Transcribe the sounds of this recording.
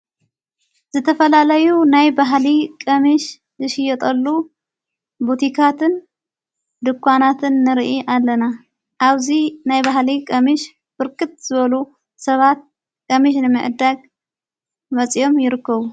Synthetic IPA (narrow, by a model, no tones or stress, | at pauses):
z̥ɨt̪ʰɐfɐlalɐjunajbaɦlikʼɐmiʃ | zɨʃɪjːɛt̪ʼɐlːu | but̪ʰikʰat̪ʰɨn | d̪ɨkʰʷːanat̪ʰɨnːɨɾʔiʔalːɐna | ʔaβzinajbaɦlikʼɐmiʃ | b̥ɨɾkʰɨt̪̚z̥ɨβɐlu | sɐβat̪̚ | kʼɐmiʃ̬nɨmɨʕɨd̪aɡ | mɐt͡sʼio̞mjɪɾɨkːɐβu